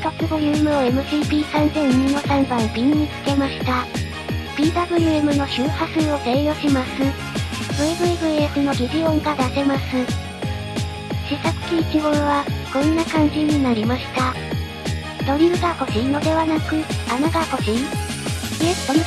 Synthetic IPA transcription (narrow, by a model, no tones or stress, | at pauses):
k̪okɯ̟bɯ̟ɾʲɯ̟emɯ̟oe̞mɯ̟ʑiːpʲiːsãnzẽ̞ɲɲino̞sãmbãmbʲiɲ̟ɲit͡sɨ̥ke̞maɕi̥t̪a | b̥ʲiːbabɯ̟ɾʲɯ̟e̞mɯ̟no̞ɕɨːhasɨo̞t̪eɰjo̞ːɕimasɨ | bɯ̟ebɯ̟ebɯ̟eɸɯ̟no̞ɡʲiʑiõ̞ŋɡad̪ase̞masɨ | ɕisakɯ̟̥kʲiːkʲiɡõ̞ɾβaɡ̥õ̞nːakãɲ̟d͡ʑiɲ̟inaɾʲimaɕi̥t̪a | d̪o̞ɾʲiɯ̟ɡako̞ʑĩno̞d̪e̞βanakɯ̟anaɡako̞ʑĩ | e̥o